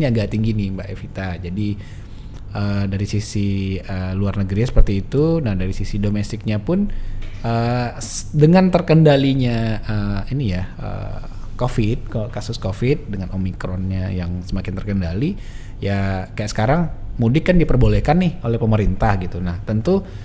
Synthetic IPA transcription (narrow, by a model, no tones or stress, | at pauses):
niaɡaʔt̪iŋɡinɪbaʔḛfit̪ad͡ʒadi | ʔəːdaɾisisiəluarnəɡɾiɲsə̥pərt̪iːt̪unahdaɾisisidomɛst̪ɪk̚ɲapʊnəː | dəŋant̪ərkəndaliɲaəinijaə̰ | kofɪt̪̚kkasʊskofɪt̪̚dəŋanʔomikɾɔnɲajaŋsəmakɪnt̪ərkəndali | jakajaʔsə̥kaɾaŋmudɪkːandipərbolɛhkanːɪholɛhpəməɾint̪ahɡit̪unaht̪ənt̪u